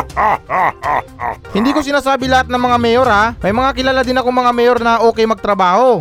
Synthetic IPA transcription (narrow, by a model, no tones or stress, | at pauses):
hɪnd̪iːko̞sɪnaːsaːbɪlɐhat̪̚nɐŋmɐŋamɛːjoɾamɐjmɐŋakɪlaːlad̪ɪnɐkoŋmɐŋamɛːjoɾnɐʔo̞ːkɛjmɐɡ̚t̪ɾɐbaːho̞